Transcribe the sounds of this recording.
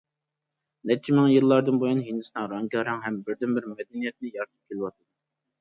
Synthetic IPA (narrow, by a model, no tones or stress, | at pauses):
nɛt͡ʃʰːimɪŋjilˠːɑɾd̪ɨnbojunɦinɪsnɨŋɾɑŋkʲɑɾɑŋɦɛmbɪɾd̪ɪnbɪɾmɛd̪ɛnijɛt̪̚nɪjɑɾt̪ʰɨ̥p̚kʲʰelɪwɑt̪ʰɨd̪ʊ